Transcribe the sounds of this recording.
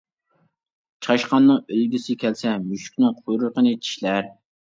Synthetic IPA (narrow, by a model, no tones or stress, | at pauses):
t͡ʃʰχɑʃqɑnːɨŋølɡʲisɪkʲʰɛlsɛmyʃy̥kʲnɪŋqʰujɾʊɾqənɨt͡ʃʰi̥ʃlæɾ